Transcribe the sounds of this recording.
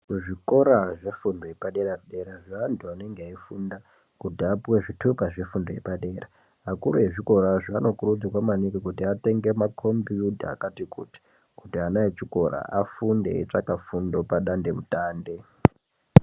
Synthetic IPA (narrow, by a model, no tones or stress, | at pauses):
ʐiko̞ɾaʐe̞fundojepaɗeɾaɗe̞ɾaʐaːntʰuane̞ŋɡeaifunda | kutiapwe̞ʐitʰukaʐe̞fundojḛpaɗe̞ːra | ɦakuɾuje̞ʐiko̞ɾaʐaano̞kuɾud͡ziwamanikikutiate̞ŋɡe̞makʰo̞mbiuta̰ːkatikṵti̥ | kutianaet͡ʃiko̞ɾa̰ʔa̰fundḛːt͡ʂakafundo̞paɗande̞mutaːnde̞